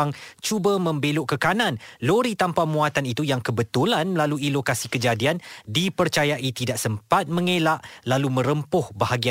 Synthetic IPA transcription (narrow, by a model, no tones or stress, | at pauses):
ŋt͡ʃubəmə̃mbeloʔkəkanãnloɾit̪ampamũat̪anit̪ujaŋkəbət̪ulanmlaluilokasikəd͡ʒadiandipərt͡ʃajaʔit̪idaʔsəmpat̪̚mə̃ŋelaʔlalumə̃ɾəmpʊhbahaɡia